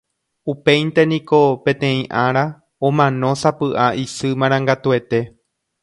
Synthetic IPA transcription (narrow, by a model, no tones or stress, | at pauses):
upe̞jnt̪e̞nĩko̞pẽ̞t̪ẽ̞ĩʔaɾa | õmãnõ̞sapɨʔaʔisɨmãɾ̃ãŋɡat̪ue̞t̪e̞